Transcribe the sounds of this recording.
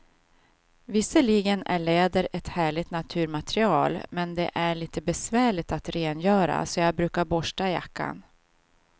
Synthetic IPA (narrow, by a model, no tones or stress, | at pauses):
vɪsəɭiɡənæɭeːd̪əɾɛt̪hæːɭɪɡt̪nat̪ʰʉ̟ːɾmat̪ɾɪɑːlmɛnd̪ɛ̰ʔæɭiːt̪ʰəbɛsvæːɭɪt̪at̪ɾeːnjœːɾa̰sɔjɑːɡbɾʉ̟ːkaɾbɔʂʈaja̰kʰːa̰n